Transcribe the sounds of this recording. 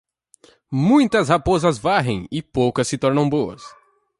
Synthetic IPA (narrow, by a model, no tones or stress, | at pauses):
mũj̃t̪ɐshapozɐzvaɦẽj̃ɪpowkɐsːɪt̪ɔɾnɐ̃w̃bowɐ̰s